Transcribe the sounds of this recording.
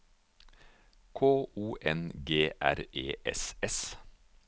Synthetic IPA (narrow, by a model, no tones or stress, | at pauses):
kʰoːʔuːʔɛnɡeːʔæ̰ɾeːʔɛ̰sɛs